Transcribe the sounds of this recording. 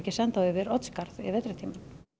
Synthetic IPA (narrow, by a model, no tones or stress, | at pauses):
cɪsɛnt̪aʏvɪɾɔt̪skaɾðɪ̰vɛt̪ɾat̪ʰiːman